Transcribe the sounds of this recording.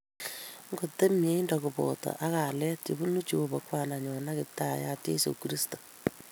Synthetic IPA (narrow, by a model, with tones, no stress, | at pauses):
ŋɡo˨te˦mje˦i˦ndɔ˨kʊ˨pɔ̰˨tɔ̰˨ʔa˦ka˨lɛ˦tjḛ˨bu˦nu˦t͡ʃu˨o˨bɔ˨kwa˦˨na˨ɲɔ˨na˦kɪ˨ta˦˨ja˦tjḛ˦sṵ˨kɾi˦sto̥˨